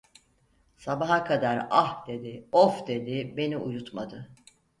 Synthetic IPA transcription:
sabaɦakʰad̪aɾahd̪̥e̞d̪ɪofd̪e̞d̪ibe̞niujut̪mad̪ɯ

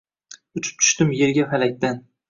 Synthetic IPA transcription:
ʊt͡ʃʰɪ̥p̚t̪ʰʊ̥ʃt̪ɪmje̞ɾɡʲafalak̚ʲd̪an

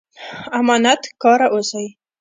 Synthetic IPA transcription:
amɑnat̪kɑɾaʔosaj

